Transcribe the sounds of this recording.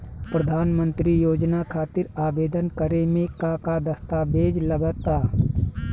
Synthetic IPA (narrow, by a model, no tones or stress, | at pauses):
pɾəd̪ʱaːnmə̃nt̪ɾijoːd͡ʒnakʰaːt̪ɪɾaːbeːd̪ənkəɾemẽkaːkad̪əst̪aːbeːd͡ʒləɡət̪aː